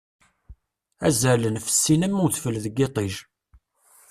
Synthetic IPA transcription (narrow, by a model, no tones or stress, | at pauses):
æzələnfə̥sːinəmːuθfəlðəɡet̪ˤiʒ